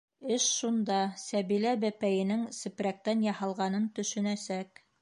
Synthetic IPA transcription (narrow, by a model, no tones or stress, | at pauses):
ɘʃʃund̪ɑsæβilæbæpæjɘ̆nɘŋsɘ̆pɾæk̚t̪ænjɑhɑlˠʁɑnɤnt̪ɵ̆ʃɵ̆næsæk